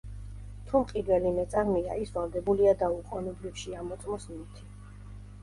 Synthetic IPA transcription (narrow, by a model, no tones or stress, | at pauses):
t̪ʰumqʼid̪vɛlimɛt̪sʼaʁmia̰isvalˠd̪ɛbuliad̪auqʼɔnɛbɾifʃiamɔt̪sʼmɔsmit̪ʰi̥